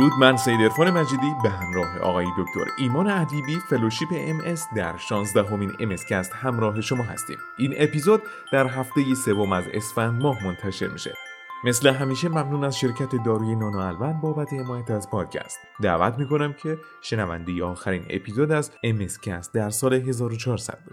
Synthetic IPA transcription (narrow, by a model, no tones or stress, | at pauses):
ɾuːd̪mænsejd̪e̞ɾfɒːne̞mæd͡ʒiːd̪iːbeɦæmɾɒːɦe̞̰ʔɒ̰ːɣɒːjed̪o̞ct̪o̞̰ɾiːmɒːneæd̪iːbiːfe̞loʃiːpeʔemʔe̞sd̪æɾʃɒːnzd̪æɦo̞miːne̞me̞scʰæst̪hæmɾɒːɦeʃo̞mɒːɦæ̰st̪ḭːm | iːnʔe̞pizod̪̚ːæɾɦæft̪e̞je̞se̞vo̞mæze̞̰sfænd̪mɒːɦmo̞nt̪ʰæʃe̞̰ɾmḭːʃe̞̰ | me̞sle̞ɦæmiːʃe̞mæmnuːnæzʃe̞ɾcʰæt̪ʰe̞d̪ɒːɾuːje̞nɒːnɒælvænd̪bɒːbæt̪ʰehe̞mɒːjæt̪ʰæzpʰɒːd̪̥̚cʰæ̰st̪ | d̪æ̰ːvæ̰t̪ʰmiːko̞næmcʰe̞ | ʃe̞nævæ̰nd̪e̞je̞ɒːxæɾiːnḛpʰiːzod̪æzemescʰæst̪̚d̪æɾsɒːle̞ɦe̞zɒːɾot͡ʃʰɒːɾsæ̰d̪̚bu